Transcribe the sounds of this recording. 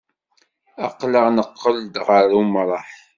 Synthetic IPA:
ɑ̰qləʁnəqːəld̪ʁəɾumɾˤɑħ

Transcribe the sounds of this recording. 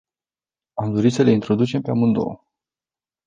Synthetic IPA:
amd̪o̞ɾisəle̞int̪ɾo̞d̪ut͡ʃe̞mpeamund̪o̰

